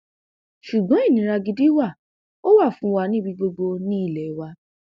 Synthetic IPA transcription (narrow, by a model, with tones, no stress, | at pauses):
ʃu˨ɡ͡bɔ̃˨˦i˦˨nĩ˨˦ɾa˧ɡi˧di˦wa˦˨ | o˦wa˦˨fũ˧˦wa˧˦nĩ˦bi˧ɡ͡bo˧ɡ͡bo˧nĩ˦i˦˨lɛ˨˦wa˧˦